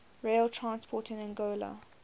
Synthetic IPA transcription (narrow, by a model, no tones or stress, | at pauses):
ɹeɪltʰɹãnspʰɔːˑtɪ̃nɪ̃nɡoːlə̰